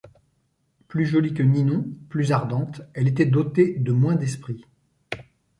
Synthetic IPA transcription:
plyʒɔlikəninɔ̃plyzaʁd̪ɑ̃t̪ɛlet̪ɛd̪ot̪ed̪əmwɛ̃d̪ɛspχi

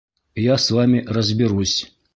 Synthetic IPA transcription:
jasvamʲirəzʲbʲɪɾusʲ

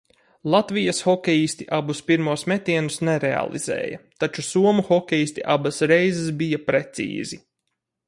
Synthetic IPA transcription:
lˠat̪vijasxɔkʲɛjisʲt̪iʔabuspiɾmuɔsmɛt̪ʲiɛnusnɛɾɛa̰lˠḭz̥ɛ̰ːjɐ̰t̪at͡ʃusuɔmuxɔkʲɛjisʲt̪ʲiʔabasɾejzɪsbijɐpɾet̪sḭːzi

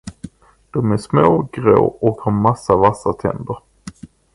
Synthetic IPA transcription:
d̪̥ɔmæsmoːɡɾo̰ːɔkhaɾmasːavasat̪ʰɛ̰nd̪əɾ

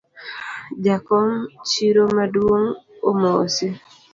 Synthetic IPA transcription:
d͡ʒakɔŋt͡ʃiɾomadwoŋomɔsi

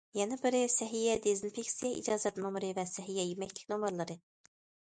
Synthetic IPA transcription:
jɛnɨbɪɾɪsɛɦijɛd̪ezinfikʲsijɛʔḭd͡ʒɑːzɛt̪nomɾɨvɛsɛɦijɛjemɛkʲlʲɪ̥kʲnomɨɾlˠɨɾɨ

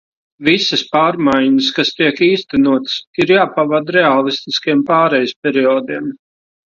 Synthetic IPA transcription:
visəspaːɾmajɲəskast̪iɛkiːst̪ɛnuɔt̪siɾjaːpavad̪ɾɛalˠist̪iskijɛmpaːɾɛjspʲɛɾiɔːd̪iɛm

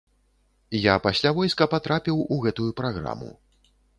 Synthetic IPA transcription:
japasʲlʲavɔjskɐpat̪ɾapʲiwuɣɛt̪ujupɾaɣɾa̰mṵ

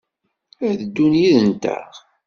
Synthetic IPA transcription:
æðəd̪ːunjiðənt̪æ̰ʁ

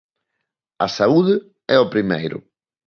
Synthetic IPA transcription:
ɐsauðɪ | ɛopɾimḛjɾʊ̰

